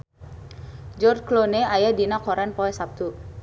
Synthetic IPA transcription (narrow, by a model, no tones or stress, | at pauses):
d͡ʒɔrt͡ʃkloneajadinakɔɾɛnpɔɛsap̚t̪u